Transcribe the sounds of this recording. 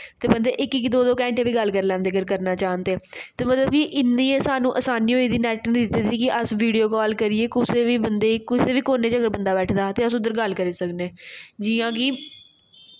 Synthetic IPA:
t̪eːbənd̪eːʔɪkɪkd̪oːd̪oːkɛ̃ːɳʈeːʋiːɡəlkəɾlɛ̃ːnd̪eːɡəɾk̬əɾnaːt͡ʃaːənd̪eːt̪eːmət̪ləb̚kɪʔɪnːiːesaːnũːʔəsaːniːɦoːiːd̪iːnɛːʈnĩːd̪ɪt̪iːt̪iːkɪʔəsʋiːɖijoːkɔːlkəɾieːkʊseːʋiːbənd̪eːkʊseːʋiːkoːneːt͡ʃəɡəɾbənd̪aːbɛːʈʰd̪aːt̪eːəsʊd̪əɾɡəlkəɾeːsəkneːd͡ʒiːãːkɪ

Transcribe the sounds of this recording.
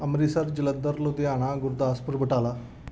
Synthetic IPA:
əmɾisəɾd͡ʑilənd̪əɾlod̪iaɽ̃aɡuɾd̪aspuɾbəʈala

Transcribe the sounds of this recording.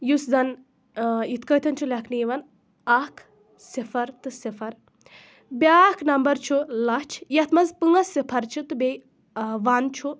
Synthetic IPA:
jusd̪ɐn | jit̪kɐjt̪ʰɐnt͡ʃʰulʲɐkʰniʋɐn | akʰ | sifʰɐɾt̪ɨsifʰɐɾ | bʲaːkʰnɐmbɐɾt͡ʃʰulɐt͡ʃʰjɐt̪ʰmɐzpɨŋɐsipʰɐɾt͡ʃʰit̪ɨbe | ʋant͡ʃʰu

